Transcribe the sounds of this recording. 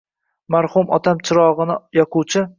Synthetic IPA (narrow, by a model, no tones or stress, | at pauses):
maɾhʊmɒ̰t̪ʰamt͡ʃʰɪɾɒʁɨnɪjɒqʊwt͡ʃʰɪ